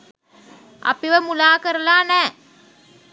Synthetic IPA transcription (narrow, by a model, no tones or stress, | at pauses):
ʔɐ̰piʋəmulaːkəɾɐlaːnɛː